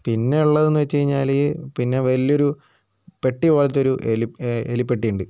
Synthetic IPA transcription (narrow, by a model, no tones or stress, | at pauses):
pinːe̞uɭːɐðenːuʋɐt͡ɕːt͡ɕejiɲːaːlipinːe̞ʋɐlijo̞ɾu | pe̞ʈːikoːlɐt̪ːoɾuʔeliḛlipːeʈːijuɳɖɨ